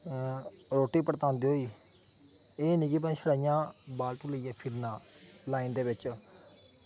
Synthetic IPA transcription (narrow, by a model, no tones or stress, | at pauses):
ɾoːʈiːpəɾt̪ãːnd̪iːɦoːiː | eːniːkipanːʃʰəɽaːɪjãːbaːlt̪ũːləijãːpʰɪɾnãːlaːind̪eːʋɪt͡ʃ